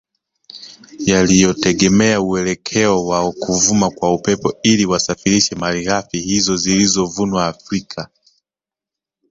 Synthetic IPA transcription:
jalijɔtɛɠɛmɛauɛlɛkʰɛɔwaɔkuvumakwaupɛpɔiliwasafiɾiʃɛmaliɣafihizɔzilizɔvunwaːfɾikʰa

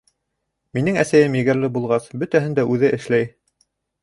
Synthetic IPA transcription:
minɘŋæsæjɘmjɘ̆ɡɘ̆ɾlɘbulˠʁɑsbɵt̪æɦɘnd̪æʔʉðɘʔɘ̆ʃlæj

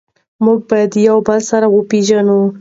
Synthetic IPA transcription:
muɡ̚bajad̪jawbəlsaɾawəpeʒanu

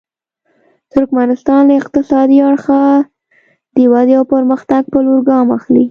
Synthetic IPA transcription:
t̪ʊɾkmanɪst̪ɑnləɪqt̪ɪsɑd̪iaɽxa | d̪̥əwad̪iawpəɾməxt̪aɡ̚pəloɾɡɑmaxli

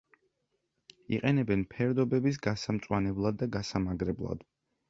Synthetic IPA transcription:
ḭqʼɛnɛbɛnpʰɛɾd̪ɔbɛbis̬ɡasamt̪sʼwanɛblˠad̪ːaɡasamaɡɾɛblˠa̰d̪̥

